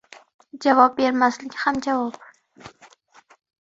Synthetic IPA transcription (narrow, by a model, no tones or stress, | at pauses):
d͡ʒavɒp̚beɾmaslɪkʲhamd͡ʒavɒp